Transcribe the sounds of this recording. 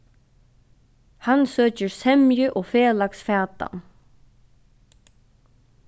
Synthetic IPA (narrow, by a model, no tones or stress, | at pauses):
hansøːcəɾsɛmjʏʔɔfɛːlaksfaːt̪a̰n